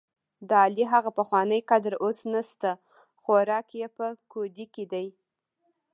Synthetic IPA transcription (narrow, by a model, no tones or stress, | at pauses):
d̪əɑliɦaɣapəxwɑnəjqad̪ɾosnast̪a | xoɾɑkjepəkod̪iked̪aj